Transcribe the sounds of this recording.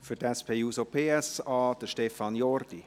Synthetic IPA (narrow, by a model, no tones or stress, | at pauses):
fytɛspʰeːuːsopʰeːɛsɑːd̥əʃtɛfɑnjɔrd̥i